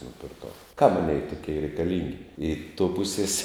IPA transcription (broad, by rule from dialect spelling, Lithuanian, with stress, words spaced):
nʊpʲɪrˈkɐʊ kɐm ˈɑːˌnʲeːɪ tʊˈkʲɛɪ rʲɛɪkɐˈlʲɪŋʲɡʲɪ ɪ toː ˈpʊsʲeːs